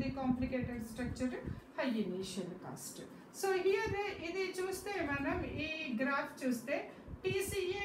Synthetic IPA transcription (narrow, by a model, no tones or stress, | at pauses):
ikaːmplikeːʈɐɖsʈɾɐk̚t͡ʃɐɾhɐjiniːʃɐlka̰ːsʈ | soːɦiɐd̪eʔid̪it͡ʃuːst̪e̞ːmɐnɐmiːɡɾaːfʰt͡ʃuːst̪e̞ː | pisie